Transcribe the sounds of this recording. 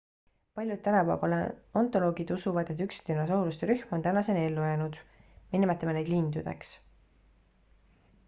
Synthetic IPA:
pɑlʲjud̪̚t̪ænɑpæ̰ːvɑlḛo̞nt̪ˑo̞lo̞ːɡ̥id̪̥usuvɑd̪̥e̞t̪ːykst̪inɑsowlust̪eɾyhmo̞nt̪ænɑse̞ne̞lːujeːnud̪̥minmet̪ːˑemenejd̪lind̪̥ud̪̥e̞̰ks

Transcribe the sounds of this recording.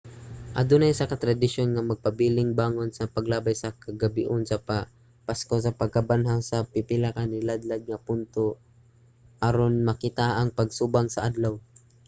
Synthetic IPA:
ʔa̰d̪ʊnajsakɐt̪ɾad̪ɪʃonŋamɐɡ̚pabilɪŋbaːŋonsɐpaɡlaːbajsakaɡabɪʔʊnsɐpa | paskos̬ɐpɐɡ̚kabanɦasɐpɪpɪlakanɪlad̪lad̪̚ŋapʊnt̪o | haɾonmɐkit̪aʔaŋpaɡsubaŋsɐʔad̪law

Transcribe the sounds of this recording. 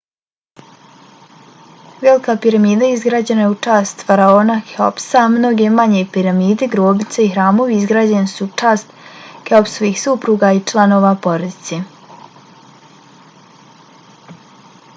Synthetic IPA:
ʋelikapiɾamiːd̪aizɡɾaːd͡ʑenajeut͡ʂaːst̪faɾaoːnaxeo̞psamno̞ɡʲemaɲepiɾamiːd̪eɡɾoːbnit̪seixɾaːmo̞ʋiizɡɾaːd͡ʑe̞nsut͡ʂaːst̪xeopsoʋiːxsupɾuːɡait͡ʃlˠano̞ːʋapo̞ɾod̪it̪se

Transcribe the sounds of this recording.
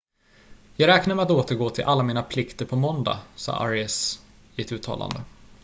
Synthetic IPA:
jɑːɡɾɛːknaɾmɛat̪oːt̪əɾɡoːt̪ʰɪlʔalːamiːnapʰlɪkt̪əɾpʰɔmɔnd̪a̰sɑ̰ːʔaɾɪɛs | ɪɛt̪ʉ̟ːt̪ʰɑ̰ːlʔa̰nd̪ə

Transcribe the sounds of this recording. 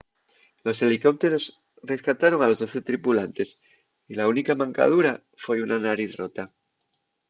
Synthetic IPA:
lo̞se̞liko̞p̚t̪e̞ɾo̞s | re̞skat̪aɾo̞ŋalo̞zðo̞θe̞t̪ɾipulant̪e̞s | ilaunikamãŋka̰ð̞uɾa | fwe̞unanaɾiθro̞t̪a

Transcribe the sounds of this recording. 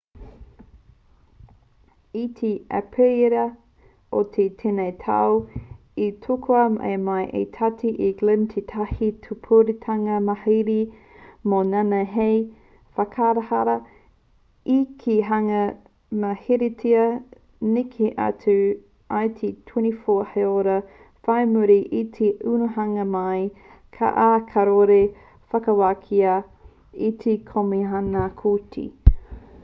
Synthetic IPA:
itʰia̰pʰeiɾɐ | otʰetʰenejtʰa̰w | itʰokʰoɐmaḛmɐjʔḛt̪ʰatʰiʔiɡ̥lɪmt̪ʰetʰɐhitʰupʰoɾitʰɐŋɐmɐheɾi | monanɐɦej | fɐkʰaɾɐhaɾɐ | ikʰiɦɐŋɐ | mɐhiɾetʰiɐ | nikʰeʔɐ̰t͡sʉ | ʔajt̪ʰetʰwinifoheoɾɐ | fɐjmuɾiʔit̪ʰeʔʉnuhɐŋɐmɐj | kʰa̰ʔakʰɐɾoɾe | fɐkɐwakʰiɐ | itʰekʰomiɦɐnakʰutʰḭ

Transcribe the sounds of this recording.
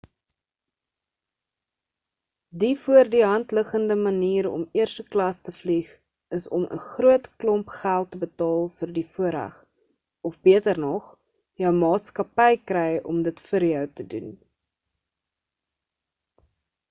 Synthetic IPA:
difuərdiɦɐntləχəndəmɐniːɾɔ̰miərstəklɐstəfliχ | əsɔmʔə̰χruətklɔmpχælˠtːəbətɑːlˠfərdifuəɾɦə̰χ | ɔfbiətərnɔχ | jəwmɑːtskɐpɛjkrɛjɔ̰mdətfəɾjœwtədṵn

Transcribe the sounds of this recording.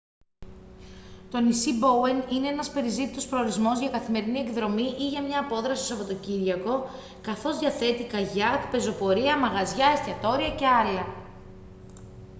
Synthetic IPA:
t̪o̞nisibo̞wenine̞e̞nɐspe̞ɾizit̪it̪o̞spɾo̞oɾizmo̞zʝɐkɐθime̞ɾiniekðɾo̞miʔiʝɐmɲɐːpo̞ðɾɐsi̥sɐpo̞t̪o̞ciɾʝɐko̞ | kɐθo̞zðʝɐθe̞t̪ikɐʝɐkpe̞zo̞po̞ɾiɐmɐɣɐzʝɐe̞st̪çɐt̪o̞ɾiɐce̞ɐlɐ

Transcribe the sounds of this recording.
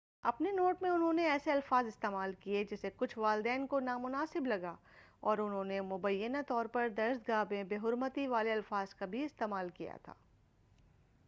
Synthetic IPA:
ɐpnenoːʈmẽʊnɦõneɛːseɐlfaːzɪst̪eːmaːlkied͡ʒɪsekʊt͡ʃʰʋaːld̪ɛːnkonaːmʊnaːsɪblɐɡa | ɔːɾʊnɦõːnemʊbəjːənat̪ɔːɾpɐɾd̪ɐɾʃd̪̚ɡaːbẽbeːɦʊɾmət̪iʋaːleɐlfaːzkabʱiɪst̪eːmaːlkija̰t̪ʰa̰ː

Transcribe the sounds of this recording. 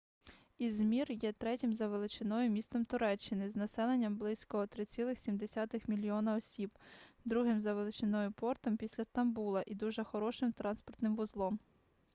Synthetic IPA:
izmʲirjɛt̪ɾɛtʲɪmzɐʋelˠɪt͡ʃɪnɔjʊmʲist̪ɔmt̪ʊɾɛt͡ʃːɪnɪznɐsɛlˠenʲːɐmblˠɪsʲkɔːt̪ɾɪt͡sʲilˠɪxsʲimd̪esʲɑt̪ɪxmʲilʲiɔnɐɔsʲibd̪ɾuɦɪmzɐʋelˠɪt͡ʃɪnɔjʊpɔrt̪ɔmpʲisʲlʲɐst̪ɐmbulˠɐʔid̪uʒɛxɔɾɔʃɪmt̪ɾɑnspɔrt̪nɪmʋʊzlˠɔm

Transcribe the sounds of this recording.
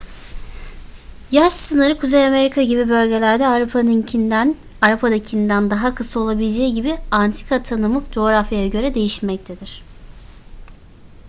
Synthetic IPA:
jaʃsɯnɯɾɯkʰuzejame̞ɾikʰaɟibibø̞lʲɟe̞lʲæɾd̪ɛaɾupʰanɯncʰind̪æn | aɾapʰad̪acʰind̪ænd̪aɦakʰɯsao̞lˠabilʲed͡ʒejiɟibiant̪ʰi̥kʰat̪ʰanɯmɯkd͡ʒo̞ːɾafjajaɟø̞ɾɛd̪e̞jiʃmɛc̚t̪ʰed̪iɾ̥

